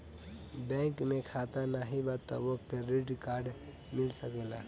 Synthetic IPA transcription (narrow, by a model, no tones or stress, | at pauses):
bɛ̃ːŋkmẽkʰaːt̪anaɦibat̪ːɔ̰ʋək̚t̪ɾɪʈkaːɾɖ | mɪlsəklaː